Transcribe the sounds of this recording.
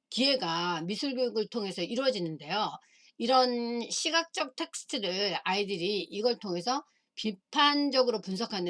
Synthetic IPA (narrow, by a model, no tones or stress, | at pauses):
kie̞ɡamisʰuɭɡjoɡɯɭtʰoŋe̞sʰʌiɾwʌd͡ʑinɯnde̞jo | iɾʌnɕʰiɡak̚t͡ɕ͈ʌk̚tʰe̞k̚s͈ʰɯ̥tʰɯɾɯɾaidɯɾiiɡʌɭtʰoŋe̞sʰʌ | pipʰand͡ʑʌɡɯɾopuns̬ʰʌkʰanɯ